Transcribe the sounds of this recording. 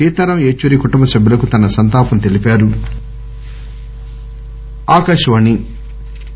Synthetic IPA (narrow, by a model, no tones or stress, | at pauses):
iːt̪ɐɾɐmeːt͡ʃʋɐɾikuʈumbɐsɐbʱjulɐkut̪ɐnɐsɐnt̪aːpɐmt̪e̞lipaːɾu | aːkɐʃɐʋɐnːi